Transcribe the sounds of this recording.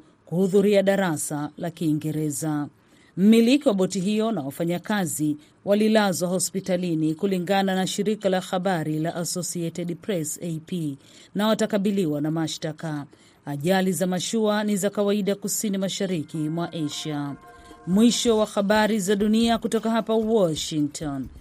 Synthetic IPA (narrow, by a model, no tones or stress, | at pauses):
kuhuðuɾiaɗaɾasalakiːŋɡɛɾɛza | m̩milikiwaɓɔtiɦijɔnawafaɲakazi | walilazwahɔspitalinikuliŋɡananaʃiɾikalaxaɓaɾilaʔasɔsiɛtɛɗpɾɛsepi | nawatakaɓiliwanamaʃtaka | aʄalizamaʃuanizakawaiɗakusinimaʃaɾikimwaʔɛʃa | mwiʃɔwaxaɓaɾizaɗuniakutɔkaɦapawɔʃiŋk̚tʰɔn